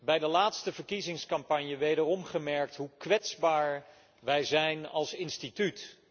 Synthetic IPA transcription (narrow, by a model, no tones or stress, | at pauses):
bɛjdəlaːtstəvəɹkizɪŋskɑmpɑɲjəʋejdərɔmχəmɛɹk̚tɦukʋɛtzbaːɹ | ʋɛjzɛjnɑ̰lˠsɪnstityt